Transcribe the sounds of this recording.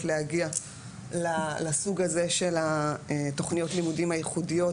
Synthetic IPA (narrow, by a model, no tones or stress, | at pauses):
leaɡia | lalasuɡazeʃe̞lato̞χnijo̞tlimudimhajeχudijo̞